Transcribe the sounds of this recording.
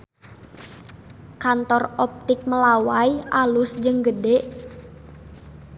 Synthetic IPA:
kant̪ɔrɔp̚t̪ɪk̚məlawajalusd͡ʒɨŋɡədɛʔ

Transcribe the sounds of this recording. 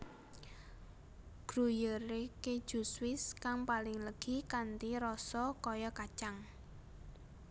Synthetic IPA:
ɡ̥ɾujəɾeke̥ʒ̥ṳswɪskaŋpalɪŋləɡ̥i̤kant̪iɾɔsɔkɔjɔkat͡ʃaŋ

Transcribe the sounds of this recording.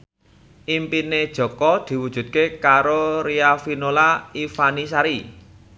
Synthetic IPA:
ʔimpined̥ʒ̥ɔ̤kɔd̪̥i̤wud̥ʒ̥ṳt̪̚kekaɾoɾiafinolaifanisaɾi

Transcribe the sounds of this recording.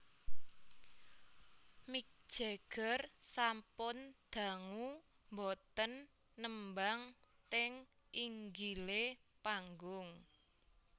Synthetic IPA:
mik̚d̥ʒ̥eɡ̥ərsampʊnd̪̥ä̤ŋu | mbɔt̪ənː | əmbaŋt̪ɪŋ | ʔiŋɡilepaŋɡʊŋ

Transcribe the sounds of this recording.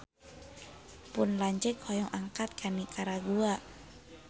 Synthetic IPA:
punlaɲd͡ʒɛkhɔjɔŋʔaŋkat̪̚kʰanikʰaɾaɡuaʔ

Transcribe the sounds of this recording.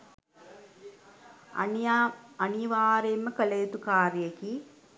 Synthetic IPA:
ɐniʋaːɾemːəkəleːt̪ukaːɾjeki

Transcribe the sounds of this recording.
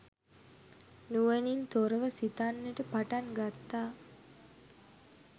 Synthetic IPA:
nuʋenint̪oɾəʋəsit̪anːeʈəpaʈaŋɡat̪ːaː

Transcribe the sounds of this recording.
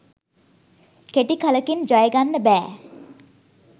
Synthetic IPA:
keʈikaləkind͡ʒajəɡanːəbæː

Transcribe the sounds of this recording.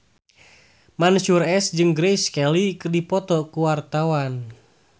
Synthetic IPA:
manʃurɛsd͡ʒɨŋɡɾɛjskɛlikɨrdipɔt̪ɔkuwart̪awan

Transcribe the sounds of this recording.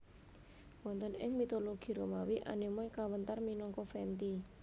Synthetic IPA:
wɔnt̪ənɪŋmit̪oloɡ̥i̤ɾomawiʔa̰nimɔjkawənt̪arminɔŋkɔfɛnt̪i

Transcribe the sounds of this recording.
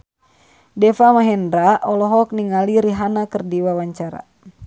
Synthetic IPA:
dɛfamaɦɛndɾaʔɔlɔɦɔk̚niŋaliɾiɦanakərdiwawaɲt͡ʃaɾa̰

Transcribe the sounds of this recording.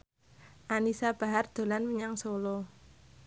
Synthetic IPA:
ʔanisab̥a̤ɦard̪̥o̤lanmiɲaŋsolo

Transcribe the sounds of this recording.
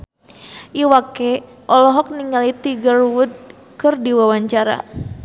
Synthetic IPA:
ʔiwakɛ | ʔɔlɔɦɔk̚niŋalit̪iɡaruwud̪̚ | kɨrdiwawaɲt͡ʃaɾa̰

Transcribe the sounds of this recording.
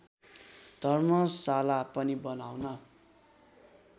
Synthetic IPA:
d̪̥ʱʌrmʌsalapʌnibʌnawnʌ

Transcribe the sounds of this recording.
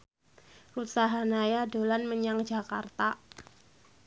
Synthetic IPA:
rusaɦanajado̤lanməɲaŋd͡ʒaka̰rt̪a

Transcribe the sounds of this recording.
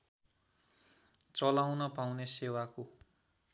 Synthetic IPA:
t͡sʌlawnʌpawnesewako

